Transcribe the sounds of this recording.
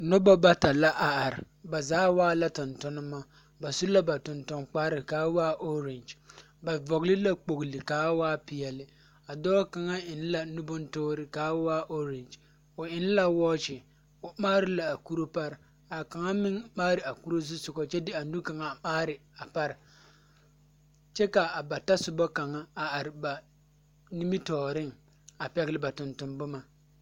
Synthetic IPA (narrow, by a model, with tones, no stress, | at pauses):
nɔ˦ba˦ba˦ta˨la˦ʔa˨a˨ɾɪ̰˨ | ba˨zaː˨˦waː˦la˦tʊ˨ntʊ˦nɨ˦ma˦ | ba˨su˦la˦ba˨tʊ˨ntʊ˨ŋk͡paː˦ɾɪ˨kaː˨˦waː˦ʔo˦ɾɪ˨nd͡ʒ | ba˨vɔ˨ɣlɨ˦la˦k͡po˨ɡlɪ˨kaː˨˦waː˦pɪ˨jɛ˨lɪ˦ | a˨dɔː˦ka˨ŋa˦ɪ˨n˦la˦nʊ˦bʊ˦ntoː˦ɾɪ˨kaː˨˦waː˦ʔo˦ɾɪ˨nd͡ʒ | o˨ɪ˨n˦la˦wɔː˦t͡ʃɪ˨ | ʊ˨maː˦ɾɪ˦la˨a˨ku˦ɾo˦pa˦ɾɪ˨ | a˨ka˨ŋa˦mɪ˦ŋmaː˦ɾɪ˨a˨ku˦ɾo˦zɪ˦sʊ˨ɡɔ˦t͡ʃɛ˦dɪ˦a˨nu˦ka˨ŋa˨maː˦ɾɪ˨a˨pa˦ɾɪ˨ | t͡ʃɛ˦ka˨a˨ba˨ta˦sʊ˨bɔ˦ka˨ŋa˦a˨a˨ɾɪ˨ba˨ | ni˦mi˦tɔː˨ɾɪ˦ŋ | a˨pɛ˦ɣɪ˦lɪ˦ba˨tʊ˨ntʊ˨mbʊ˦ma˨